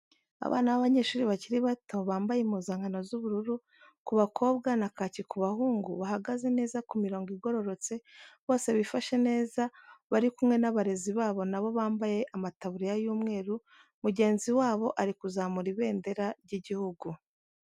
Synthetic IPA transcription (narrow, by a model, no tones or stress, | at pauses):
a̰βa̰ːnaβaβaɲe̞ːʃuːɾiβaciɾiβato̞βaːmbajemuːzaːŋano̞zuβuɾuɾu | kuβakʰo̞ːbɡanakacikuβahuːŋɡuβahaɡaze̞ne̞ːzakumiɾo̞ːŋɡiɡo̞ɾo̞ɾo̞t͡se̞βo̞ːse̞βifaʃe̞ne̞ːzaβaɾikumŋe̞naβaɾe̞ziβaːβo̞naβo̞βaːmbaje̞ʔamataβuɾijajuːmŋe̞ːɾu | muɟe̞ːnziwaːβo̞ʔaɾikuzaːmuɾiβe̞ːnde̞ɾaɾɟiɟihuɡu